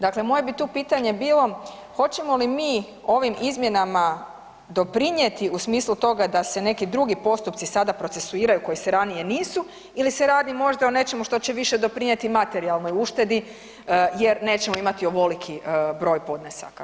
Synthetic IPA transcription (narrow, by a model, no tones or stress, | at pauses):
d̪akle̞mo̞je̞bit̪uːpiːt̪aɲe̞biːlˠo̞ | xo̞t͡ɕe̞mo̞limiː | o̞ʋimizmje̞nama | d̪o̞pɾiɲet̪iusmiːslˠut̪o̞ɡad̪ase̞ne̞kid̪ɾuɡipo̞st̪upt̪sisad̪apɾo̞t̪se̞suiːɾajuko̞jiseɾanije̞niːsu | ilise̞ɾaːd̪imo̞ʒd̪aone̞t͡ʃe̞muʃt̪o̞t͡ɕeʋiʃed̪o̞pɾiɲe̞t̪imat̪e̞ɾialˠnojuʃt̪e̞d̪i | je̞ɾne̞ːt͡ɕemoimat̪ioʋo̞likʰibɾo̞ːjpo̞d̪nesa̰ka